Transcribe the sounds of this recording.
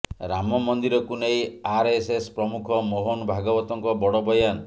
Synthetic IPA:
ɾamɔmɔnd̪iɾɔkunejaɾesespɾɔmukʰɔmoɦonbʱaɡɔbɔt̪ɔŋkɔbɔɽɔbɔjan

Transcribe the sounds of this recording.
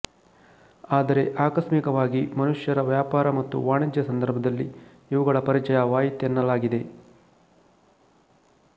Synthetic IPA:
aːd̪ɐɾe̞ʔaːkɐʂmikɐʋaːɡimɐnuʂjɐɾɐʋjaːpaːɾɐmɐt̪ːṵʋaːɳid͡ʒjɐsɐnd̪ɐɾbʱɐd̪ɐlːḭ | iʋuɡɐɭɐpɐɾit͡ʃɐjɐʋaːjit̪enːɐlaːɡid̪e̞

